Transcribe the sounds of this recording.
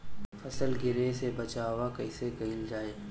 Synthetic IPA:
fɐsəlɡɪɾesebɐt͡ʃaːʋakɐɪsekɐɦɪld͡ʒaːeː

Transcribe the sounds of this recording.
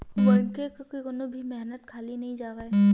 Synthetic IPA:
ʋoɪnkekkoionobʱimɛɦnət̪kʰaːlinɐɦĩd͡ʒaːɡəe

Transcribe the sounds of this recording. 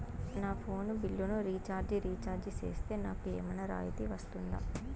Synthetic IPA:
naːpʰo̞ːnubilːunuɾiːt͡ʃaːɾd͡ʒiɾiːt͡ʃaːɾd͡ʒit͡ʃḛːst̪e̞ːnaːkuḛːmɐnɐɾa̰ːjit̪iʋɐst̪und̪a̰

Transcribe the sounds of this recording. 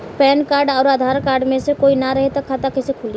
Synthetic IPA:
pɛːnkaːɾɖɔːɾaːd̪ʱaːɾkaːɾɖmẽsekoːinaɾɐɦet̪akʰːat̪akɪsekʰʊl

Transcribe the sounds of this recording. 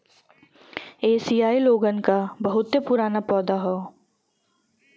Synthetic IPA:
eːsiːaːiloːɡənkabɐɦʊt̪ːepʊɾaːnapɔːd̪aɦɔː

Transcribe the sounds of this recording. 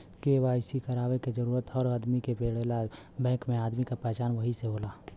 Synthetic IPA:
keʋaːjsikəɾaːʋeked͡ʒəɾuːɾət̪ɔɾad̪mikepeːɽela | bɛ̃ːkmẽaːd̪mikapɾɛːt͡ʃaːnʋəɦiseɦoːlaː

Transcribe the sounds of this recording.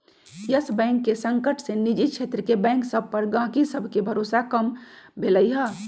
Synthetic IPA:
jəsbɛ̃ːŋkːesə̃ŋkəʈsenid͡ʒikʃʰeːt̪ɾəkebɛ̃ːŋksəbʱpəɾɡãːkisəbʱkebʱəɾoːsakəmbʱeləiɦə

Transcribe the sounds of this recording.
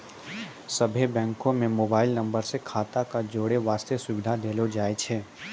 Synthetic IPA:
sɐbʱebɛ̃ːŋkõmẽmoːbaːɪlnɐ̃mbəɾsekʰaːt̪akad͡ʒoːɽeʋaːst̪esʊʋɪd̪ʱad̪eːlod͡ʒaːet͡ʃʰeː

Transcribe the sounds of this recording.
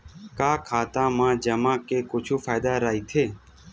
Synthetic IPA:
kaːkʰaːt̪ãːmãːd͡ʒəmãːkeːkʊt͡ʃʰuːfaːjd̪aːɾaːiːt̪ʰeː

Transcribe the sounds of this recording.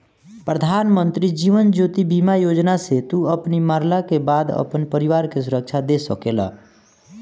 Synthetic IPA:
pɾəd̪ʱaːnmə̃nt̪ɾid͡ʒiːʋənd͡ʒoːt̪ibimajoːd͡ʒnaset̪uəpnimaːɾlakebaːd̪ə̰pənpəɾiʋaːɾkes̬ʊɾək̚t͡ʃʰad̪esəkela̰ː

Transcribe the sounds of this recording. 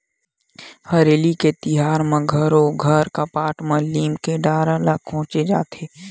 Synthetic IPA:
həɾeːliket̪ɪɦaːɾmẽɡʱəɾoɡʱəɾkapaːʈmɐ̃liːmkeɖaːɾalakõːt͡ʃed͡ʒaːt̪ʰeː

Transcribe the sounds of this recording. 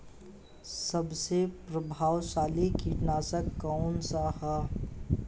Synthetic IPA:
sɐbsepɾəbʱaːwʃaːlikiʈnaːsəkːaʊnsaha

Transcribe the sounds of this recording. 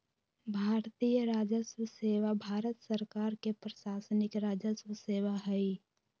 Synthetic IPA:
bʱaːɾt̪ijəɾaːd͡ʒəswəseːʋabʱaːɾət̪səɾkaːɾkepɾəʃaːsənɪkɾaːd͡ʒəswəseːʋaɦɛi

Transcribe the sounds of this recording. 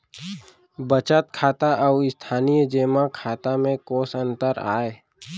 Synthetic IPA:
bət͡ʃət̪kʰaːt̪aʔːɪst̪ʰaːnijd͡ʒeːmakʰaːt̪amẽkoːsə̃nt̪əɾa̰ːeː

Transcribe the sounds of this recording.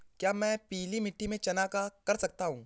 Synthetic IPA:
kjaːmɛ̃ːpiːlimɪʈːimẽt͡ʃɐnaːkakɐɾsɐk̚t̪aɦũː

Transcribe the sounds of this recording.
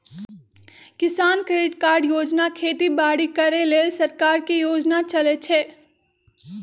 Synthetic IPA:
kɪsaːnkɾeɖɪʈkaːɾɖjoːd͡ʒnakʰeːt̪ibaːɽikɐɾeleːlsɐɾkaːɾkijoːd͡ʒnat͡ʃɐlet͡ʃʰeː

